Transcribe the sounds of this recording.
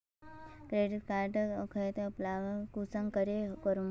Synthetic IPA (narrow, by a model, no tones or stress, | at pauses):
kɾeɖiʈkaɾʈkʰəet̪eplaʋkusəŋkəɾekəɾum